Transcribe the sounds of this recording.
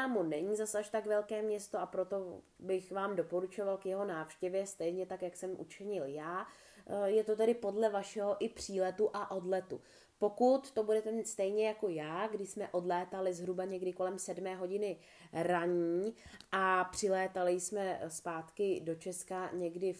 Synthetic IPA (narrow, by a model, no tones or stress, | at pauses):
aːmunɛɲiːzasaʃt̪akvɛlkɛːmɲɛst̪oʔapɾo̞t̪o̞ | bɪxvaːmdo̞po̞ɾut͡ʃo̞valkjɛɦo̞naːfʃcɛvjɛst̪ɛjɲɛt̪akjaksɛmʔṵt͡ʃɪɲɪljaː | jɛt̪o̞t̪ɛɾɪpo̞dlɛvaʃɛɦo̞ʔɪpr̝̥iːlɛt̪uʔaʔo̞dlɛt̪u | po̞kut̪ːo̞budɛt̪ɛmiːt̪st̪ɛjɲɛjako̞jaːɡdɪʃsmɛʔo̞dlɛːt̪alɪzɦɾubaɲɛɡdɪko̞lɛmsɛdmɛːɦo̞ɟɪnɪ | ɾaɲiːʔapr̝̥ɪlɛːt̪alɪsmɛspaːt̪kɪdo̞t͡ʃɛskaɲɛɡdɪ